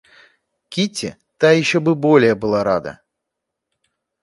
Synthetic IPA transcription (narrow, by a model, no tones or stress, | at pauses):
kʲitʲːɪ̰ | t̪ajɪɕːobɨbolʲɪjəbɨlˠaɾad̪ə̰